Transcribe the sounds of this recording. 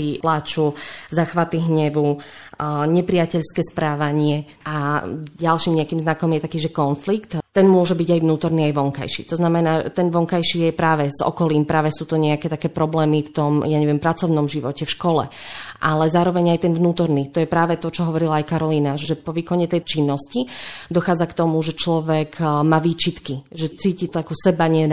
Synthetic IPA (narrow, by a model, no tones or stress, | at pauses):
iplat͡ʃuzaxʋat̪iɦɲɛʋu | ɲɛpɾijacɛʎskɛːspɾaːʋaɲɪɛ | ʔaɟalʃiːmɲɛakiːmznakɔmjɛt̪akiːʒɛkɔnflikt̪t̪ɛnmʊɔʒɛbiɟajʋnuːt̪ɔɾniːajʋɔŋka̰jʃḭːt̪ɔznamɛnaːɛt̪ɛnʋɔŋkajʃiːjɛpɾaːʋɛzɔ̰kɔliːmpɾaːʋɛsuːt̪ɔɲɛakɛːt̪akɛːpɾɔblɛːmift̪ɔmjaɲɛʋɛmpɾat͡sɔʊnɔmʒiʋɔcɛfʃkɔlɛ̰ʔalɛzaːɾɔʋɛɲajt̪ɛnʋnuːt̪ɔɾniːt̪ɔjɛpɾaːʋɛt̪ɔt͡ʃɔɦɔʋɔɾilaːjkaɾɔliːnaʒʒɛpɔʋiːkɔɲɛt̪ɛjt͡ʃinːɔscid̪ɔxaːd͡zakt̪ɔmuʒɛt͡ʃlɔʋɛkmaːʋiːt͡ʃit̪kiʒɛt͡siːcit̪ɔakusɛbaɲɪɛ